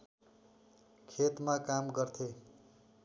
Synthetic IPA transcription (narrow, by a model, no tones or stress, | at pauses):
kʰet̪makamɡʌrt̪ʰe